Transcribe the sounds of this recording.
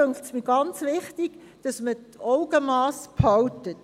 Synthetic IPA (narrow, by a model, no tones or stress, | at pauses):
øŋktsmiɡ̥ɑnt͡sʋɪχtiɡ̥ | d̥ɑsmətɔʊɡəmɑːspʰhɑwtət